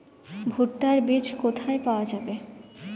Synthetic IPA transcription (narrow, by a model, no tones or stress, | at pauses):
bʱuʈːaɾbed͡ʑkot̪ʰaepaoad͡ʑabe